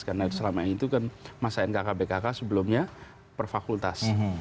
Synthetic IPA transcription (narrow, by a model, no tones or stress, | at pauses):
karnat̪səlamait̪ukanmasaɛnkakabekakasəbəlumɲa | pərfakult̪as